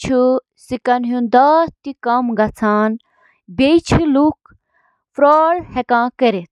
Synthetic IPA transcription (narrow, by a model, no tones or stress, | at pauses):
t͡ʃʰu | sikɐnɦũnd̪aːt̪ikɐmɡɐt͡sʰaːn | bejt͡ʃʰiluk | fɾɔːɭhekãːkəɾet̪̚ʰ